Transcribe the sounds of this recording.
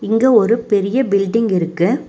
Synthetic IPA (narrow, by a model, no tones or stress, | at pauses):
ɪŋɡeːɔɾɯpɛɾɪjɐbɪlɖɪŋɡɪɾɯkːɯ